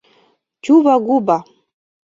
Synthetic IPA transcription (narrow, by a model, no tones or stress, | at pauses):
t͡ʃuβaɡuba